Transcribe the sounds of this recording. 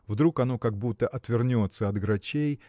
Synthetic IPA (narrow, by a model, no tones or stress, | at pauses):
vd̪ɾukɐno̞kɐɡ̚but̪ːəʔɐt̪vʲɪrnʲo̞t̪səɐd̪ɡɾɐt͡ɕej